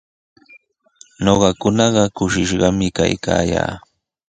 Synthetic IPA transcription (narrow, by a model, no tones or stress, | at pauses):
noɢɑkʊnɑɢɑkʊʃɪʃɢɑmɪkajkaːja̰ː